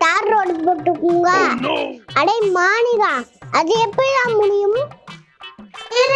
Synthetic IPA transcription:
t̪aːɾɾoːɽpoʈːɯkːuŋɡaː | ɐɽɐɪmaːnɪɣaːʔɐðɯɛpːɐɽiðãːmʊɳɪjɯm

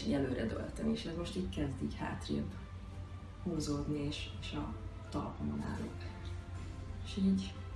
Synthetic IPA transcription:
jɛløːɾɛd̪ø̰lt̪ɛmeːʃɛzmo̞ʃt̪iːckɛzd̪iːcha̰ːt̪rḭb | huːzoːd̪nieːʃeːʃɒ | t̪ɒlpomona̰ːlo̰ːb | eʃiːɟ

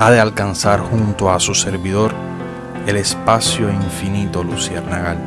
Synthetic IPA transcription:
aðealkansaɾhunt̪oasuse̞ɾβiðo̞ɾ | e̞le̞spasjo̞iɱfinit̪o̞lusieɾnaɣal

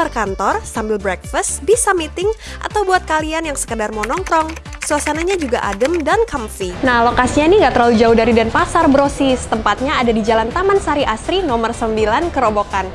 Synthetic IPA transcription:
arkant̪ɔrsambɪlbɾɛk̚fəst̪bisamit̪ɪŋ | ʔa̰t̪awbuat̪̚kalianjaŋsə̥kədarmɔnɔŋt̪ɾɔŋ | sulasanaɲad͡ʒuɡaʔa̰dəmdankamfinahlokasiɲaniŋɡaʔt̪əɾlalud͡ʒaudaɾidanpasarbəɾosisə̥t̪əmpat̪̚ɲaːdadid͡ʒalant̪amansaɾiʔasɾinɔmərsəmbilankəɾobokan

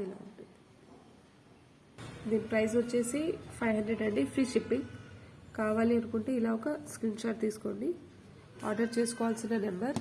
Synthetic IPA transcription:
ila̰ːuɳʈuni | d̪iːnipɾɐjsot͡ʃːe̞ːsipʰɐjʋɦɐɳd̪ɾeɖɐɳɖipʰɾiːʂipːiŋkaːʋaːliɐnukuɳʈeːilaːɔkɐskɾiːnt͡ʃaːʈ̚t̪iːsu̥ko̞ɳɖi | aːɾɖɐɾt͡ʃe̞ːsu̥kɔːʋaːlsinːɐnɐmbɐɾ

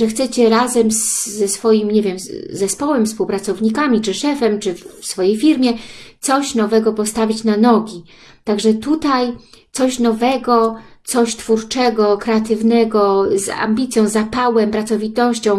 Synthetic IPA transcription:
ʐɛxt̪sɛt͡ɕɛɾazɛmzːɛsfɔjimɲevʲjɛmzɛspɔwɛmfspuwpɾat̪sɔvɲikamʲit͡ʂɘʂɛfɛmt͡ʂɘfsfɔjejfʲiɾmʲjɛt̪sɔɕnɔvɛɡɔpɔst̪avʲit͡ɕnanɔɡʲi | t̪aɡʐɛt̪ut̪ajt̪sɔɕnɔvɛɡɔt̪sɔɕt̪fuɾt͡ʂɛɡɔkɾɛat̪ɘvnɛɡɔza̰mʲbʲit̪sʲjɔ̃w̃zapawɛmpɾat̪sɔvʲit̪ɔɕt͡ɕɔ̃w̃

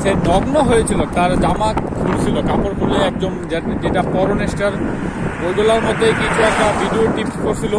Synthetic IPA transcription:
senɔɡnɔɦojet͡ʃʰilɔt̪aɾd͡ʒamat̪kʰuɽt͡ʃʰilɔkapɔɾkʰɔɾilɔɛk̚d̪omd͡ʒd͡ʒeʈafɔɾonesʈəɾ | boɡ̪olaɾmɔd̪ʱːejkit͡ʃʰuɛk̚ʈaʋiɖioʈipskɔɾsʰilo

